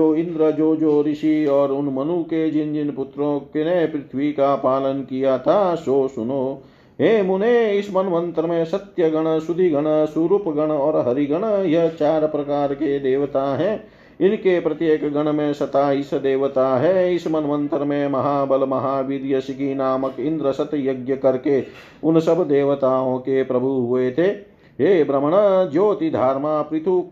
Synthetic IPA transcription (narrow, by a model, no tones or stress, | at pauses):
oːind̪ɾɐd͡ʒoːd͡ʒoːɾiʃiɔːɾʊnmɐnuked͡ʒind͡ʒinput̪ɾõːkenepɾɪt̪ʰʋikapaːlɐnkijaːt̪ʰaːsoːsunoː | ɦeːmuneɪsmɐnʋɐnt̪ɾɐmẽsɐt̪jɐɡɐɳ̃ɐsud̪ʱiɡɐɽ̃ɐsuɾupɡɐɳ̃ɔːɾɦɐɾiɡɐɽ̃ɐjɐt͡ʃaːɾɐpɾɐkaːɾked̪eːʋt̪aːɦɛ | inkepɾɐt̪jeːkɡɐɳ̃ɐmẽːsɐt̪aːisɐd̪eːʋɐt̪aːɦɛːismɐnʋɐnt̪ɾɐmẽmɐɦaːbɐlmɐɦaːʋiɾjɐsikinaːmɐkind̪ɾɐsɐt̪joɡjɐkɐɾke | unɐsɐbʱd̪eːʋɐt̪aːõːkepɾɐbʱuɦuʋet̪ʰe | ɦeːbɾɐmɐɳ̃ɐd͡ʒoːt̪id̪ʱaːɾmaːpɾɪt̪ʰu